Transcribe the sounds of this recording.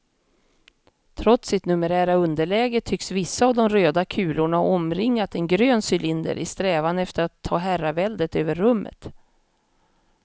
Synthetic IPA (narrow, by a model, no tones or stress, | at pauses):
t̪ʰɾɔt̪sɪt̪nɵməɾæːɾaɵnd̪əɭɛːɡət̪ʰʏksvɪsːaːvd̪ɔmɾøːd̪akʰʉ̟ːlʊɳaɔmɾɪŋːat̪ɛnɡɾøːnsʏlɪnd̪ə̰ɾʔɪ̰st̪ɾɛːvanɛft̪əɾat̪ʰːɑːɦæɾavɛld̪ət̪øːvəɾːɵmːə̰t̪